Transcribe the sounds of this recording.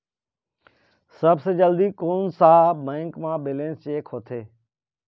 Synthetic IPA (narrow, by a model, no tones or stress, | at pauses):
səbseːd͡ʒəld̪iːkoːnsaːbə̃ːŋkmãːbeːlẽːnst͡ʃeːkʰɦoːt̪ʰeː